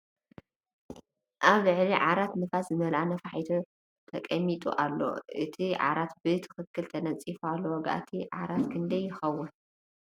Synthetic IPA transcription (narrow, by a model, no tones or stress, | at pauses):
ʔaβlɨʕliʕaɾat̪nɨfaszɨmɐlʔanɐfaħijt̪ʰo | t̪ʰɐkʼɐmːit̪ʼṵʔalːo̞̰ʔɨt̪ʰiʕa̰ɾat̪bɨt̪ʰɨ̥xɨkʰːɨlt̪ʰɐnɐt͡sʼifualːowɐɡa̰ʔt̪ʰiʕa̰ɾat̪kʰɨnd̪ɐjːɪxɐwːʊn